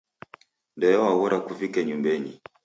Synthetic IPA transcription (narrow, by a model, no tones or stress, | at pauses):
ndɛjɔwaɣɔɾakuvikɛɲumbɛni